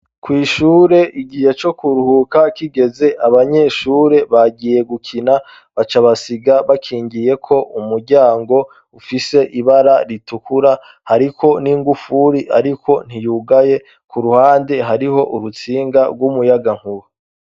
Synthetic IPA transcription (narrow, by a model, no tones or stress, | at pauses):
kwiːʃuːɾe̞ʔiɡije̞t͡ʃo̞kuɾuhukakiɡe̞ze̞ʔaβaɲe̞ʃuːɾe̞βaɡije̞ɡukʰina | βat͡ʃaβasiɡaβakʰiːɲɟije̞kʰo̞ʔumuɾɟaːŋɡo̞ | ufise̞ʔiβaɾaɾitukʰuɾa | haɾikʰo̞niːŋɡufuɾiʔaɾikʰo̞n̥ijuɡaje̞ | kʰuɾuhaːnde̞ɦaɾiɦo̞ʔuɾut͡siːŋɡaɡwumujaɡaŋ̥huɾu